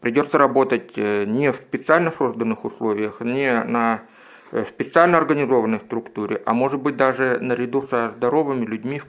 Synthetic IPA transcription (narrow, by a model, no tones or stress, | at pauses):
pɾʲɪdʲo̞t̪sːəɾɐbo̞t̪ətʲnʲɪfsʲpʲɪt̪sɨalʲnəso̞zd̪ənːɨxʊslˠovʲɪjəxnʲɪnə | sʲpʲɪt̪sɨalʲnəɐrɡənʲɪzo̞vənːəjst̪ɾʊkt̪uɾʲɪ̰ʔɐ̰mo̞ʐɨt̪̚bɨt̚ʲd̪aʐɨnəɾʲɪd̪usəzd̪ɐɾo̞vɨmʲɪlʲʉdʲmʲif